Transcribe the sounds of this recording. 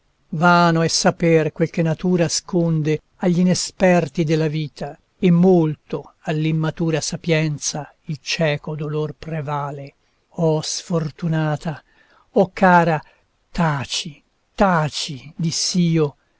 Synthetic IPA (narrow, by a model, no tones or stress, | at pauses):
vaːnoɛsːapɛrkwelk̟enat̪uːɾaskond̪e | aʎːinɛspɛrt̪id̪elːaviːt̪ʰa | emːolt̪oalːimːat̪uːɾasapjɛnt̪sa | ilt͡ʃɛːkod̪olorpɾevaːle | ɔsfort̪unaːt̪a | ɔkːaːɾa | t̪aːt͡ʃi | t̪aːt͡ʃid̪isiːo